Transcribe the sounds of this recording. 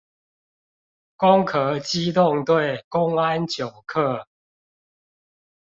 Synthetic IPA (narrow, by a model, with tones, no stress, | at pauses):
kʊ˦ŋkʰə˨˦t͡ɕi˦t̪ʊ˥˨ŋt̪we˥˨ɪkʊ˦ŋa˦nt͡ɕjo˨˩ʊkʰɤ˥˨